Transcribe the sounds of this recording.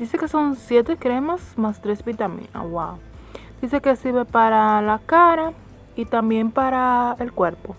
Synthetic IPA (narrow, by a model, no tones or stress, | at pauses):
d̪isekeso̞nsjet̪ekɾemasmast̪ɾezbit̪amḭna̰wa | d̪̥isekesiɾβepaɾalakaɾa | it̪ambjempaɾaelkweɾpo